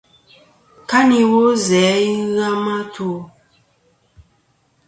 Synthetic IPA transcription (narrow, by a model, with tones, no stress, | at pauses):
ka˦ni˨wo˦zɛː˨˦i˦ɣa˦ma˦tʰu˦˨